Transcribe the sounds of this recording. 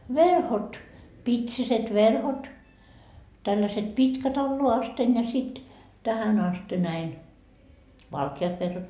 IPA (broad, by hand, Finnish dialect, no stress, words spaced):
ʋerhot pitsiset ʋerhot tælːæset pitkæt ɑlːoɑ ɑsten jɑ sit tæhæn ɑste næin ʋɑlkiɑt ʋerhot